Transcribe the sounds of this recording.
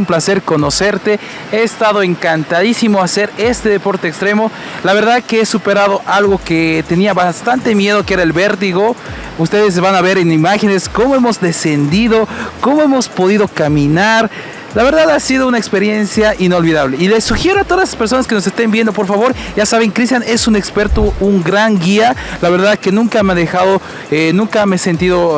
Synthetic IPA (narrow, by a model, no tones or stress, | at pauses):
umplase̞ɾko̞no̞se̞ɾt̪e̞ | e̞ːst̪aðo̞eŋkant̪aðisimo̞ase̞ɾe̞st̪e̞ðe̞po̞ɾt̪e̞ːkst̪ɾe̞mo̞ | laβe̞ɾðaðkeesupeɾaðo̞ʔalɣo̞ket̪e̞niaβast̪ant̪e̞mje̞ð̞o̞kee̞ɾae̞lβe̞ɾt̪̬iɣo̞ | ust̪e̞ðes̬βanaβe̞ɾenimaxe̞ne̞sko̞moe̞mo̞zd̪e̞se̞nd̪iðo̞ko̞mo̞e̞mo̞spo̞ðiðo̞kamĩnaɾ | laβe̞ɾðaðasiðo̞unaekspe̞ɾje̞nsjaʔino̞lβiðaβleile̞sːuxje̞ɾoat̪o̞ðaslḁspeɾsonaskeno̞s̬e̞st̪e̞mbje̞nd̪o̞p̬o̞ɾfaβo̞ɾʝasaβe̞ŋkɾist̪jane̞sune̞kspe̞ɾt̪ouŋɡɾaŋɡialaβeɾðaðke̞nũŋkameaðe̞xaðo | enũŋkameese̞nt̪iðo̞